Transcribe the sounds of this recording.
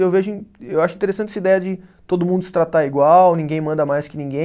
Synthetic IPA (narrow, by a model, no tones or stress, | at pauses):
ewveʒʊĩewaʃʊĩt̪eɾesɐ̃nt͡ʃɛsɐid̪ɛjɐd͡ʒɪt̪od̪ʊmũnd̪ʊsɪ̥t̪ɾat̪aiɡwawnĩŋɡẽj̃mɐ̃nd̪ɐmajskɪnĩŋɡẽ